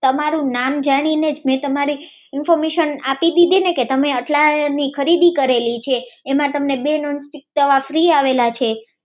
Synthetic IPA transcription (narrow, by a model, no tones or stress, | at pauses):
t̪əmaɾũnamd͡ʒaɽ̃ined͡ʒmɛ̃t̪əmaɾi | ɪnfɔɾmeʃənapid̪id̪ineket̪əmeəʈlanikʰəɾid̪ikəɾelit͡ʃʰeːmãt̪əmnebenɔnsʈik̚t̪əʋafɾiaʋelat͡ʃʰe